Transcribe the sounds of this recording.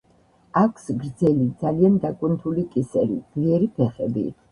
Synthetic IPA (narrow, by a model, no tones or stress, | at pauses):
akʰsɡɾd̪zɛlid̪zaliand̪akʼunt̪ʰulikʼisɛɾḭd̪liɛɾipʰɛχɛbḭ